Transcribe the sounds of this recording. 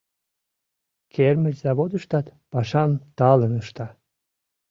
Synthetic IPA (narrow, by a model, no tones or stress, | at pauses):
kʰerməlʲzɑβod̪əʃt̪ɑt̪pɑʃɑmt̪ɑlənəʃt̪ɑ